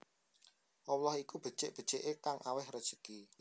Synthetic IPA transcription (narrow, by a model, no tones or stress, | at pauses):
ʔɔwlɔhikub̥ə̤̥t͡ʃɪʔb̥ə̤̥t͡ʃeʔekaŋʔawɪhrəd̥ʒ̥ə̤̥ki